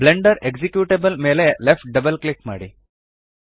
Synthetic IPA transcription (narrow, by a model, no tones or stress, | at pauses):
bleɳɖəɾeɡd͡ʑikjuʈebəlmelelefʈ̚ɖəbəlklikma̰ɽḭ